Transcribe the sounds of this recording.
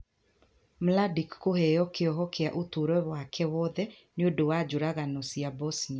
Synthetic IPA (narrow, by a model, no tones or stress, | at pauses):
mladikːohɛjɔkeɔɦɔkʰeaʔotoɾɔβwakʰɛwɔðɛ | neodowad͡ʒoɾaɣanɔsiabɔsni